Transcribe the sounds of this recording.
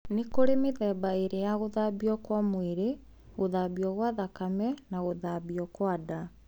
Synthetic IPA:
nekoɾemeðɛːbaeɾejaɣoðabiɔkwamweɾe | ɣoðaːbiɔɣwaðakamɛnaɣoðabiɔkwada

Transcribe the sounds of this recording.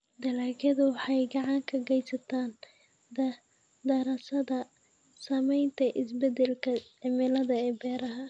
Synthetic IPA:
d̪ɐlaːɡɐðʊwɑħɑjɡɑʕɑŋkʰɐɡɛjsɐt̪ʰaːn | d̪ɐ | d̪ɐɾɐsɐðɐ | saːmɛjnt̪ʰɐʔɪsbɛd̪ɛlkʰɐʕɪmɪlɐðɐɛːbɛːɾɐɦɐ

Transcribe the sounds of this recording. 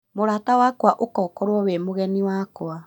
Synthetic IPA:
moɾatawakwaʔokɔːkɔɾwɔwemoɣɛniwakwa

